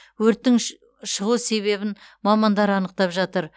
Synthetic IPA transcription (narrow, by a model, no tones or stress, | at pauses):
wɵɾt̪ːɪŋ | ʃəʁuse̞βe̞bɪnmɑmɑnd̪ɑɾɑnəq̚t̪ɑpʒɑt̪əɾ